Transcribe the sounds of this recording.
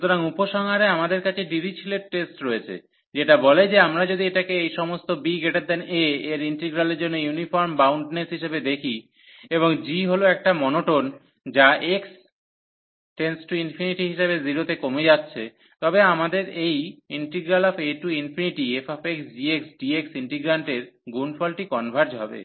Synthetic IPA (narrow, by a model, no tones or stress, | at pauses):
ut̪oɾaŋupoʃɔŋɦaɾeamad̪eɾkat͡ɕʰeɖiɾit͡ɕʰileʈ̚ʈːesʈɾoet͡ɕʰḛ | d͡ʑeʈabɔled͡ʑeamɾad͡ʑod̪ieʈakeejʃɔmost̪obiɡeʈaɾ̚d̪ɛneeɾiɳʈeɡɾaleɾd͡ʑonːojunifɔɾmbawɳɖnesɦiʃebed̪ekʰi | eβoŋd͡ʑiɦoloɛk̚ʈamɔnoʈon | d͡ʑaʔeks | ʈensʈuinfʰiniʈiɦiʃabeziɾot̪ekomed͡ʑatːɕʰe | t̪ɔbeamad̪eɾejiɳʈeɡɾalɔfeʈuinfʰiniʈiefɔfeksd͡ʑieksɖieksiɳʈiɡɾaɳʈeɾɡunfɔlʈikɔnbʱaɾd͡ʑɦɔbḛ